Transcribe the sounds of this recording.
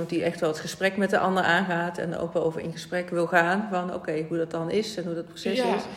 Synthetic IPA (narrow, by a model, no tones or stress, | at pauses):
diʔɛχtʋɛlˠətχəsprɛkmɛtdəʔɑ̰ndəɹʔaːnɣaːtʰɛ̰ndə̰o̰wkʋɛɹo̰wvəɹɪ̰nχəsprɛkʋɪlˠɣaːnvɑno̰wkejɦudɑt̚dɑnɪsɛnɦudɑt̚prosɛsɪs